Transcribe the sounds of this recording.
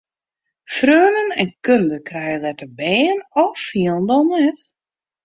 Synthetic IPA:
frøːnənɛnkøndəkʰrɛjəlɛtəbɛːənɔffiəlˠndɔnnɛt

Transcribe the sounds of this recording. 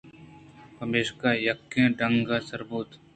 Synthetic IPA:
pɐmeːʃkaːjɐkːẽɖɐ̃ŋɡasəɾbuːt̪

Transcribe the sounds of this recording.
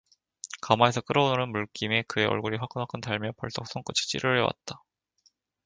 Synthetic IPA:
kamae̞sʰʌk͈ɯɾʌononɯnmuɭk͈ime̞kɯe̞ʔʌ̰ɭɡuɾiɸwak͈ɯnwak͈ɯntaɭmjʌpʌɭs͈ʌk̚s͈oŋk͈ɯt͡ɕʰi̥t͡ɕ͈ḭɾɯɭʌwa̰t̚t͈ḁ

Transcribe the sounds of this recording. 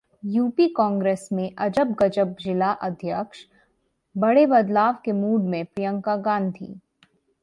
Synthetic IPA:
juːpikɔ̃ːŋɡɾeːsmẽʔɐd͡ʒəbɡɐd͡ʒəb̚d͡ʒɪlaʔɐd̪ʱjəkʃ | bɐɽebɐd̪laːʋkemuːɖmẽpɾijə̃ŋkaɡaːnt̪ʰḭː

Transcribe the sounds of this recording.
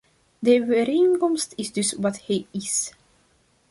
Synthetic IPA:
dəvəɾenkɔmstɪzdɵsʋɑthɛjɪs

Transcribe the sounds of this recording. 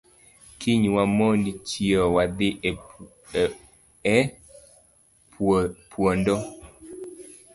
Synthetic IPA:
kʰiɲwamondit͡ʃiɔwad̪ɪ | ɛ | pwondɔ

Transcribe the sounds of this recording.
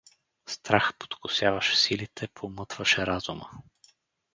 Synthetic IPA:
st̪ɾaxpo̥t̪kʊsjavɐʃɛ̥silit̪ʰɛpʰomɤt̪vɐʃɛɾazumə̰

